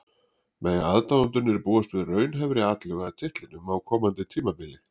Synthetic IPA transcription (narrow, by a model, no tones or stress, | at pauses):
mɛjaðt̪awʏnt̪ʏɾnɪɛɾpuːast̪vɪðrœːɥnɦɛvɾɪaːt̪lɛɣaðt̪ʰɪht̪lɪnʏmawkʰɔːmant̪ɪt̪ʰiːmapɪlɪ